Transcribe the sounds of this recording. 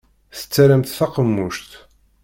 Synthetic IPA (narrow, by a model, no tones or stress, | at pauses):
θə̥t͡sːæɾæmt̪θɑqəmːuʃt̪